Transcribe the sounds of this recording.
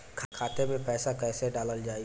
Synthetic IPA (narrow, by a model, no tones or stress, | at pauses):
kʰkʰaːt̪emẽpɛːsakɛːseɖaːləld͡ʒaːi